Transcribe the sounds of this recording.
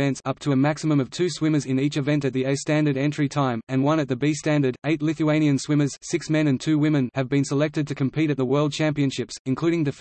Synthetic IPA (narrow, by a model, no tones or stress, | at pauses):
ɛ̃ntsʌp̚tʰəɨmæksɨmə̃mʌv̥tʰʉswɪ̃mə˞zɨ̃nit͡ʃɨvɛ̃ntɨt̪̚ðioʊstæ̃ndə˞ɾɛ̃nt͡ʃɹ̥itʰãɪ̃mɨ̃nwʌ̃nɨt̪̚ðɨbistæ̃ndə˞ɾeɪtˡlɪθɨẽɪ̃ñiɨ̃nswɪ̃mə˞z̥sɪksmɛ̃nɨ̃ntʰʉwɪ̃mɨ̃nɨvbɨ̃nsəlɛk̚tɨd̚tʰɨkʰɨ̃m̩pʰiɾɨt̪̚ðəwɜ˞lˠd̚t͡ʃʰæ̃mpiɨ̃nʃɪpsɨ̃nkʰl̥ʉɾɪ̃ŋdɨf